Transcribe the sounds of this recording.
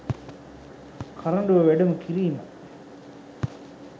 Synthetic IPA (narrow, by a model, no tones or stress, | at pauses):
kʰaɾɐɳɖəʋəʋæɖəməkʰiɾiːma̰